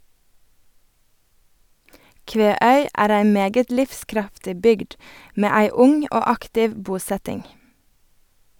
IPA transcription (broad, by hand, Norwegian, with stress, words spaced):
ˈkʋeːˌœʏ ˈæːɾ ˈæɪ ˈmeːɡət ˈlɪfˌskɾɑftɪ ˈbʏɡd ˈmeː ˈæɪ ˈʊŋ ˈoː ˈɑktɪʋ ˈbuːˌsɛtɪŋ